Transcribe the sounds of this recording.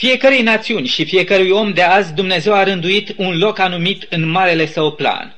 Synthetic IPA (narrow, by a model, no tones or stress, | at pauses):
fije̞kəɾejnat̪siunʲʃifije̞kəɾujo̞md̪e̞azʲd̪umne̞ze̞waɾɨnd̪uit̪unlo̞kanumit̪ɨnmaɾe̞le̞səwpla̰n